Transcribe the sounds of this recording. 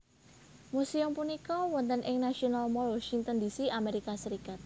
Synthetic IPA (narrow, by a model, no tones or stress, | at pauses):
musiɔmpunikɔwɔnt̪ənʔɪŋnasionalmɔlwɔʃiŋt̪əndisiʔameɾikasəɾikat̪̚